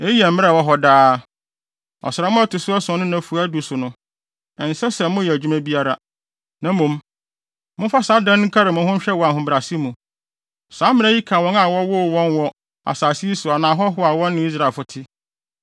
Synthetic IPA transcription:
e˦jɛ˨m̩˨mɪ̃˦a˨wɔ˦ɦɔ˦daː˦ | ɔ̰˨sɪɾa˨mʊ̃˦a˦tʊ˨sʊ˦a˦sʊ̃˨˦nʊ̃˦nã˨fu˨a˦du˨sʊ˨nʊ̃˦ | ɛ̃˨n̩˨sɛ˦sɛ˨mʊ̃˦jɛ˨d͡ʑᶣu˦mã˦bi˦a˦ɾa˦ | nã˦mũ˨m | mʊ̃˦fa˦sa˨˦dã˦nŋ̩˦kʰa˦ɾɪ˨mʊ̃˨hʊ̃˦ɲ̩˦ɕᶣɛ˦wɔ˨a˨hʊ̃˨bɾa˨si˦mũ˨ | sãː˨˦mːɪ̃˦ã˦ji˦kʰã˨wɔ̃˦na˨wɔ˦wʊ˦˨wɔ̃˦nwɔ˦ | a̰˨saː˨si˦i˦sʊ˨a˨nãː˨ɦɔ˦ɦʊ˦a˨wɔ̃˦nː˦ɪ̃˨˦i˦s̬ɾa˦˨e˨fʊ˨tʰɪ˦

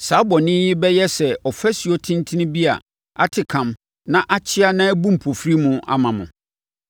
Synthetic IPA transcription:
sa˦bɔ̃˨nɪ̃˦jɪ˦bɛ˦jɛ˦sɛ˨ɔ˨fɛ˦si˨o˦tʰĩ˦n˦tʰĩ˦nĩ˦bi˦a̰˨ | a˦tʰɪ˨kʰã˨m | nã˦ʔa˦t͡ɕʰɪ˦a˦nã˦æ˦bũ˦m̩˨pʰo˨fɾi˦mʊ̃˨a̰˦˨mã˨mʊ̃˨

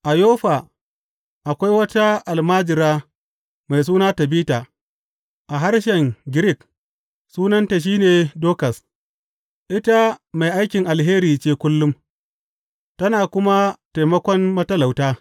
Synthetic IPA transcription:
ʔa˨joː˦ɸa˨ | ʔa˨kʷa˦jwɐ˦ta˦ʔa˨lmaː˦d͡ʒɪ˨ɾaː˦ | ma˨js̬uː˦naː˦tɐ˨biː˦taː˨ | ʔa˨ɦa˦ɾʃɛ˨ŋɡʲɪ˦ɾɪ˦˨k̚ | suː˦nɐ˦nta˨ʃ̬iː˦neː˨doː˦kɐ˨s | ʔɪ˦ta˦ma˨jʔa˦jkʲɪ˨ŋʔa˨lɦeː˦ɾiː˨t͡ʃeː˦kʷʊ˦lːʊ˦m | tɐ˦naː˨kʷʊ˦ma˦ta˨jmɐ˦kʷɔ˦nmɐ˦tɐ˦la˨wtaː˦

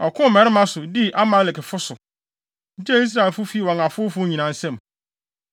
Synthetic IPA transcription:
ɔ˨kʰʊ̃˦˨mɛ˨ɾɪ˦mã˦sʊ˨di˦ʔa˦mã˨˦lɪ˨kɪ˨fʊ˦sʊ˨˦ | d͡ʑɛ˦i˦s̬ɾa˨e˨lfʊ˦fi˦wɔ̃˨ŋa˨fʊ˦fʊ˦ɲĩ˨nã˨n̩˦sɛ̃˦m

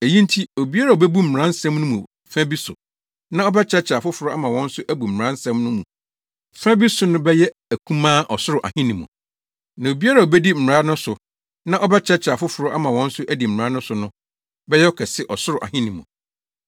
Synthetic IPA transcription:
e˨jĩ˦n˦tʰi˦o˨bi˦a˦ɾa˨o˨bæ˦bu˦m̩˨ɾã˦n̩˦sɛ̃˦mnʊ̃˦mṵ̃˨ | fæ̃˦bi˦sʊ̰˨ | nã˦ɔ˦bɛ˦t͡ɕʰɛ˦t͡ɕʰa˨fʊ˦fʊ˨ɾʊ˦a̰˦mã˨wɔ̃˦n̩˦sʊ˦ʔæ˦bu˨m̩˨ɾã˦n̩˦sɛ̃˦mnʊ̃˦mũ˨ | fæ̃˦bi˦sʊ˨˦nʊ̃˦bɛ˦jɛ˦ | æ˨kʰũ˦mãː˦ʔɔ˨sʊ˦ɾʊ˨ʔa̰˨hĩ˦nĩ˨mʊ̰̃˨ | nã˨o˨bi˦a˦ɾa˨o˨bɛ˦di˦m̩˨mɪ˨ɾa˦nʊ̃˦sʊ˨ | nã˦ʔɔ˦bɛ˦t͡ɕʰɛ˦t͡ɕʰa˨fʊ˦fʊ˨ɾʊ˦ʔa˦mã˨wɔ̃˦n̩˦sʊ˦ʔæ˦di˨m̩˨ɾa˦nʊ̃˦sʊ˨nʊ̃˦ | bɛ˦jɛ˦ɔ˦kʰɛ˨sɪ˦ʔɔ˨sʊ˦ɾʊ˨ʔa̰˨hĩ˦nĩ˨mʊ̰̃˨

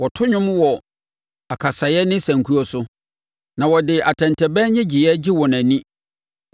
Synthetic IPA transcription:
wɔ˨tʰʊ˦ɲʊ̃˦mwɔ˨ | a˨kʰa˨sa˨jɛ˦nɪ̃˦sæ̃˨ŋkʰu˦ɔ˦sʊ˦ | nã˨wɔ˨dɪ˨a˨tʰɛ̃˨ntʰɛ˨bɛ˦ɲɪ̃˦d͡ʑɪ˨jɛ˦d͡ʑi˦wɔ˨næ̃˨nĩ˦

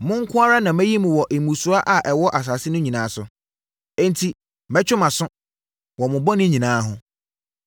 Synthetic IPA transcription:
mʊ̃˦ŋ̩˦kʰʊ̃˦a˦ɾa˦nã˨mæ̃˦ji˦mũ˨wɔ˨ʔe˨mũ˨su˨˦a˦ʔa˨ʔɛ˨wɔ˦ʔa˨s̬a˨sɪ˦nʊ̃˦ɲĩ˨nãː˨˦sʊ˨ | ɛ̃˦ntʰi˨ | mɛ̃˦t͡ɕᶣʊ˦mã˨sʊ̃˦ | wɔ˨mʊ̃˨bɔ˦nɪ̃˦ɲĩ˨nãː˨˦ɦʊ̰̃˦

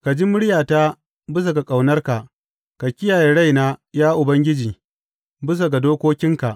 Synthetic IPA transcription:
ka˨d͡ʒi˦mʊ˦ɽjaː˨ta˦ | bɪ˦s̬a˨ɡa˨kʼa˨wnɐ˦rka˨ʔ | ka˨kʲɪ˦jaː˨je˨ɽa˦jnaː˦jaː˦ʔʊ˨bɐ˦ŋɡʲɪ˦d͡ʒiː˨ | bɪ˦s̬a˨ɡa˨doː˦kʷoː˦kʲɪ˦ŋka˨ʔ

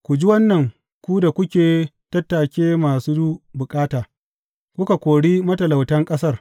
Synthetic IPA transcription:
kʷu˨d͡ʒi˦wɐ˦nːɐ˨ŋ | kʷu˦da˨kʷʊ˦kʲeː˨ | tɐ˦tːaː˨kʲeː˦maː˨suː˦du˦ʔbʊ˨kʼaː˦taː˨ | kʷʊ˦ka˨kʷoː˨ɽiː˦mɐ˦tɐ˨la˨wtɐ˦ŋkʼɐ˦sɐ˦r

